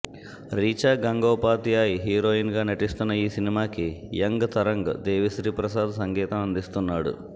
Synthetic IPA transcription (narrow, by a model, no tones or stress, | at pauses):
ɾiːt͡ʃaːɡɐŋɡoːpaːt̪ijaːjiɦiːɾoːinɡaːnɐʈist̪unːɐiːsinimaːkijɐŋɡt̪ɐɾɐŋɡd̪eːʋisɾiːpɾɐsaːd̪ɐsɐŋɡɛːt̪ɐmɐnd̪ist̪unːaːɽṵ